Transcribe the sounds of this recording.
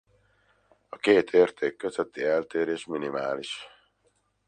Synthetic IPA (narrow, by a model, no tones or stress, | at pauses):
ɒkeːt̪ʰeːrt̪ʰeːkːøzøt̪ːiɛlt̪eːɾeːʃminimaːliʃ